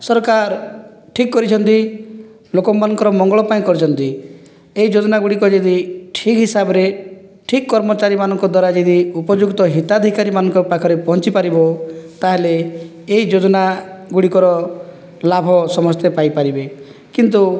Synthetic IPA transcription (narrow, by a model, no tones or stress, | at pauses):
sɔɾkaɾ | ʈʰikːɔɾit͡ʃʰɔnt̪i | lokɔmanɔŋkɔɾɔmɔŋɡɔɭɔpaĩkɔɾit͡ʃʰɔnt̪i | eid͡ʒod̪ɔnaɡuɽikɔd͡ʒed̪iʈʰikɦisabɔɾe | ʈʰikːɔɾmɔt͡ʃaɾimanɔŋkɔd̪waɾad͡ʒed̪iupɔd͡ʒukt̪ɔɦit̪ad̪ʱikaɾimanɔŋkɔpakʰɔɾepɔɦɔnt͡ʃipaɾibot̪aɦeleː | id͡ʒod̪ɔnaɡuɽikɔɾɔ | labʱɔsɔmɔst̪ʰepajpaɾibe | kint̪u